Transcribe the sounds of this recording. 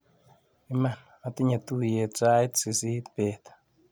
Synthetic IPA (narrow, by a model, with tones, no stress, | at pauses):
i˦ma˨n | a˨ti˦ɲa˨tu˦je˨t͡sa˦jt̪si˨si˦t̪pe˨t̪